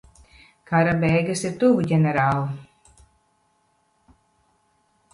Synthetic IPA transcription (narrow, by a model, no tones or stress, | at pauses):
kaɾabɛjɡasiɾt̪uvuɟʲɛnɛɾaːlˠu